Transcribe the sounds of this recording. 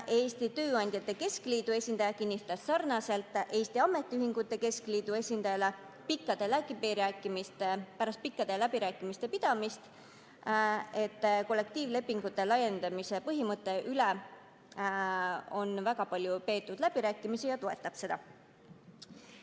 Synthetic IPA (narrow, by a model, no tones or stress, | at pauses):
ʔe̞ːsʲt̪it̪ø̞ːɑnʲd̪̥ʲjɑt̪ːˑe̞ke̞skliːd̪̥ue̞sʲind̪ɑjɑkinʲːist̪ɑssɑrnɑse̞lt̪ːˑʔe̞ːst̪iɑme̞t̪ːˑiyɦiŋɡ̥ut̪ːe̞ke̞skliːd̪̥ue̞sʲind̪̥ɑjɑle | pikːˑɑd̪̥e̞lækːˑipiɾæːkːˑimist̪epæɾɑst̪̚pikːɑd̪̥elæbiɾæːkːˑimist̪e̞pid̪̥ɑmist̪ | e̞t̪ːˑko̞lːe̞k̚t̪iːvle̞pːiŋɡ̥ut̪ːˑe̞lɑje̞nd̪̥ɑmise̞pɤɦimɤt̪ːˑe̞ʔyle | o̞nvæɡɑpɑlʲjupe̞ːt̪ːˑud̪̥læb̥iɾæːkːˑimisijɑt̪oe̞t̪ːˑɑb̥se̞d̪ɑ̰